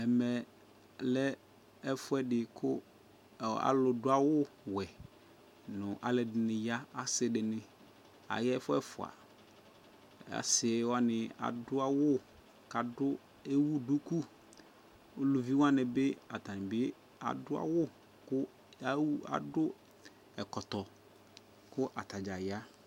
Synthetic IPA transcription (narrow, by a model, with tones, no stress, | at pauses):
ɛ˨mɛ˨ | lɛ˦ | ɛ˦fʊ˦ɛ˦dɪ˨kʰʊ˦˨ | a̰˨lʊ˨dʊ˦a˦wʊ˦ | wɛ˨ | nʊ̃˨ʔa˨lɛ˨dɪ˨nɪ̃˨ja˦a˨sɪ˦dɪ˨nɪ˦ | a̰˨jɛ˦ɛ˦fʊ˦ɛ˦fʊ˨a̰˨ | a̰˨sɪ˨ɛ˨˦wa˦nɪ̃˨a̰˨dʊ˦a˦wʊ˦ | ka˨dʊ˦ | e˦wu˦dʊ˦ku˦ | o˦lu˨vi˦wa˦nɪ˨bɪ˦a˨t̪a˨nɪ̃˨bɪ˦ | a̰˨dʊ˦a̰˦wʊ˦ | kʊ˦ | a̰˨dʊ˦ | ɛ˨kɔ˨t̪ɔ˨ | kʊ˦ʔa˨t̪a˨d͡ʒa˨ja˦